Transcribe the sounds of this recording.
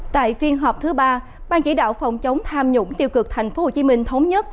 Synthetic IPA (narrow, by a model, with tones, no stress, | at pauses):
t̪a̰ː˧˨jfi˧ənɦɔː˨˩p̚t̪ʰɨ˨˦ɓaː˧ | ɓaː˧nt͡ɕḭ˧˩˦ɗa̰ː˧˨wfə˨˩wŋ͡mt͡ɕə˨˦wŋ͡mt̪ʰaː˧mɲʊ̰˧˥ŋ͡mt̪i˧əwkɨ˨˩k̚t̪ʰɛ˨˩jŋ̟fo˨˦ho˨˩t͡ɕi˨˦mï˧ŋ̟t̪ʰə˨˦wŋ͡mɲə˦˥t̚